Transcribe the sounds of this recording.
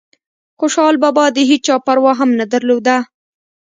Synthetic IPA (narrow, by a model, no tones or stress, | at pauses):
xʊʃɑlbɑbɑd̪əɦit͡ʃɑpaɾwɑɦamnad̪aɾlod̪a